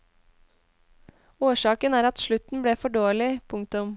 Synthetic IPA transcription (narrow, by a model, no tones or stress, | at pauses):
oːʃɑːkənæːɾɑt̪ʃɭʉt̪n̩bɽeːfɔɖoːlɪpʰʊŋkt̪ʊm